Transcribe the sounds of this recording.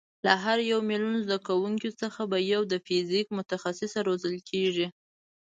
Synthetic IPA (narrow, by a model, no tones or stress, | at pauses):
laɦaɾjawmilunozd̪akawuŋkit͡səxabajawd̪əfizikmʊt̪axasɪsaɾozəlkʰeʐi